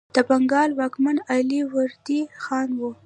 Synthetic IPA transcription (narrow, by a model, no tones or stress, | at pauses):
d̪̥əbaŋɡɑlwɑkmanɑliwaɾd̪ixɑnwu